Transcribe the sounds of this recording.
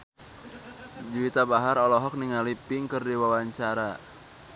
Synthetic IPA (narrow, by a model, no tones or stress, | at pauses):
d͡ʒiwit̪abaɦaɾɔlɔɦɔk̚niŋalipɪŋkərdiwawaɲt͡ʃaɾa